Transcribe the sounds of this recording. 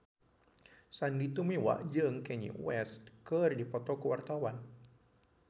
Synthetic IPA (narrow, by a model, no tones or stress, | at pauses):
sandit̪umiwa̰ʔd͡ʒɨŋkɛɲḭwɛst̪kərdipɔt̪ɔkəwart̪awan